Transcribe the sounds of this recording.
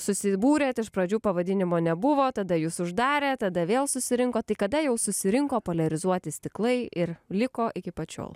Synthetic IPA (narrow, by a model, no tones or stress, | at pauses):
sʊsʲɪbuːɾʲeːt̪ɪʃpɾɐd͡ʒʲuːpɐʋɐd̪ʲɪnʲɪmoːnʲɛbʊʋoːt̪ɐd̪ɐjuːsʊʒd̪ɑːɾʲeːt̪ɐd̪ɐʋʲeːlˠsʊsʲɪɾʲɪŋkoːt̪ɐɪkɐd̪ɐjɛʊsʊsʲɪɾʲɪŋkoːpoːlʲɐɾʲɪzuɔt̪ʲɪsʲt̪ʲɪklˠɐɪʔɪrlʲɪkoːʔɪkʲɪpɐt͡ʃʲo̰ːlˠ